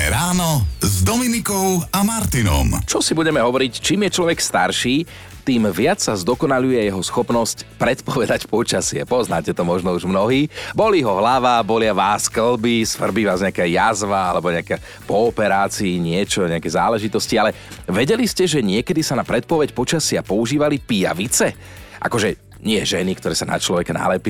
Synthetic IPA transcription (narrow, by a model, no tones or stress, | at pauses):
ɛɾaːnɔzd̪ɔminikɔʊamaɾt̪inɔ̰mt͡ʃɔsibuɟɛmɛɦɔʋɔɾict͡ʃiːmjɛt͡ʃlɔʋɛkst̪aɾʃiː | t̪iːmʋɪat͡ssazd̪ɔkɔnaʎujɛjɛɦɔsxɔpnɔscpɾɛt̪pɔʋɛd̪acpɔt͡ʃasɪɛ̰pɔznaːcɛt̪ɔmɔʒnɔuʒmnɔɦiːbɔliɦɔɦlaʋabɔlɪaʋaːskl̩bisʋr̩biʋaːzɲɛakɛjazʋaalɛbɔɲɛakɛ | pɔːpɛɾaːt͡siːɲɪɛt͡ʃɔɲɛakɛzaːlɛʒit̪ɔscialɛ | ʋɛɟɛliscɛʒɛɲɪɛkɛd̪isanapɾɛt̪̚pɔʋɛcpɔt͡ʃasɪapɔuʒiːʋalipija̰ʋit͡sɛ | ʔa̰kɔʒɛ | ɲɪɛʒɛnikt̪ɔɾɛːsana̰t͡ʃlɔʋɛkana̰lɛpiː